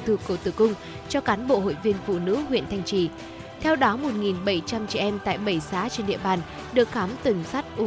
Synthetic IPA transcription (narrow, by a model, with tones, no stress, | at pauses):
t̪ʰɨ˨˩kːu˧˩ət̪ɨ˧˩kʊ˧ŋ͡m | t͡ɕɔ˧kaː˨˦nɓo̰˧˨ho̰˧˨jvi˧ənfṵ˧˨˩nɨ̰˧˥hwḭ˧˨ənt̪ʰa˧jŋ̟t͡ɕi˧˩ | t̪ʰɛ˧wɗɔ˨˦mo˨˩t̚ŋi˨˩nɓə˧˩jt͡ɕa˧mt͡ɕɛ̰˧˨ʔɛ˧mt̪a̰ː˧˨jɓə˧˩jsaː˨˦t͡ɕe˧nɗḭ˧˨əɓaː˨˩n | ɗɨ˨˩ək̚xaː˨˦mt̪ɨ˨˩ŋsa˦˥t̚ʔʊ˨˧˦